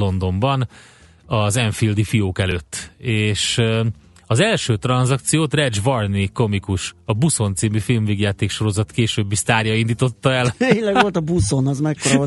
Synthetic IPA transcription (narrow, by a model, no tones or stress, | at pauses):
o̞nd̪o̞mbɒn | ɒzɛɱfild̪ifijoːkɛløːt̪ːeːʃ | ɒzɛlʃøːt̪rɒnzɒk̚t̪sijoːt̪rɛd͡ʒvɒrniko̞mikuʃɒbuso̞nt̪siːmifilmviːɡjaːt̪eːkʃo̞ɾo̞zɒt̪keːʃøːbːist̪aːrjɒind̪iːt̪o̞t̪ːɒɛlenlɛɡʋo̞lt̪ɒbusonɒzmɛkkoɾo